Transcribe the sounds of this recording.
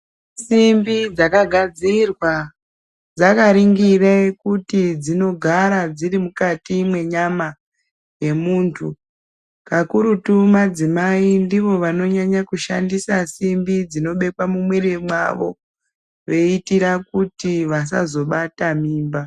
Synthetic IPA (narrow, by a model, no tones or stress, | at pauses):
simbid͡zakaɡʱad͡zirwa | d͡zakaɾiŋɡirekutid͡zino̞ɡʱaɾad͡zirimukatimwe̞ɲama | je̞muːntʰu | kakuɾutumad͡zimaindiʋo̞ʋano̞ɲaɲakuʃa̰ndisasimbid͡zino̞ɓe̞kwamumweremwa̰ʋo̞ | ʋe̞itiɾakutiʋas̬azo̞ɓatamiːmba